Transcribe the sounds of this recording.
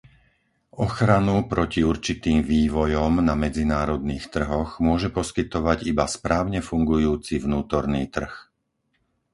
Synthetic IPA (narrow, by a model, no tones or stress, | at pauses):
ɔxɾanupɾʔɔciuɾt͡ʃit̪iːmʋiːʋɔjɔmnamɛd͡zinaːɾɔd̪niːxt̪r̩ɦɔɣmʊɔʒɛpɔskit̪ɔʋaɟibaspɾaːʊɲɛfuŋɡujuːt͡sivnuːt̪ɔɾniːt̪r̩x